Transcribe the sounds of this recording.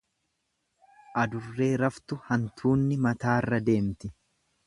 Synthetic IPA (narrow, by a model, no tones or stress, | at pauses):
ʔɐd̪ʊrːe̞ːɾɐft̪ʊhɐnt̪ʰuːnːɪmɐt̪aːrːɐd̪e̞ːmt̪ɪ